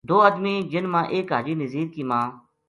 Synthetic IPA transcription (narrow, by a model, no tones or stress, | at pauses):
d̪oːəd̪mĩːd͡ʒɪnmãːʔeːkɦa̰ːd͡ʒiːnəziːɾkiːmãː